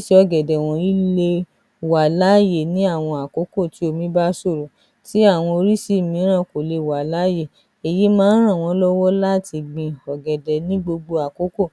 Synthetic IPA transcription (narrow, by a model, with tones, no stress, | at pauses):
ʃi˧˦ɔ˧˨ɡɛ˨dɛ˨w̃ɔ̃˨˧i˦le˧˨ | wa˨la˦je˨nĩ˨˦a˦˨w̃ɔ̃˧a˨ko˨˦ko˦˨ti˨˦o˧mĩ˦ba˦so˦˨ɾo˨ | ti˨˦a˦˨w̃ɔ̃˧o˧ɾi˦si˦˨mĩ˨˦ɾ̃ã˦˨ko˨le˨˧˨wa˨la˨˦je˦˨ | e˨ji˨˦mãː˦n̩˦ɾ̃ã˦˨w̃ɔ̃˧˦lɔ˦wɔ˦la˦˨ti˧ɡ͡bĩ˧˨ɔ˨ɡɛ˨dɛ˨nĩ˦ɡ͡bo˧ɡ͡bo˧a˨ko˨˦ko˦˨